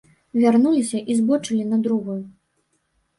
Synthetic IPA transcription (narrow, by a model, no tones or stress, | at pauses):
vʲarnulʲisʲɐʔizbɔt͡ʂɨlʲinɐd̪ɾuɣuju